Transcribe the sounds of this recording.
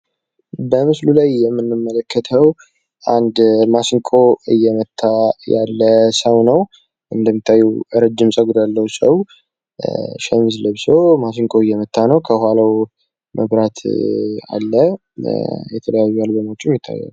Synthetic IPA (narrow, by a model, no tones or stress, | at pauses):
bəmɨslulajːɛmːɨnːɨmːələkʰːət̪ʰəw | ʔand̪masɪŋkʼʰoɨjːɛmət̪ʰːajalːəsəwnəw | ʔɨnd̪əmːit̪ʰːajːuwɾəd͡ʒːɪmsʼəɡd̪alːəwusə̰w | ʃɛmzləβsəwmas̬iŋkʰʼoɨjːɛmət̪ʰːanəwkʰəhalaw | mʔəβɾat̪a̰lːə | jɛt̪ʰələjajːualbəməwt͡ʃʼuɛmjɪt̪ʰːa̰jːa̰l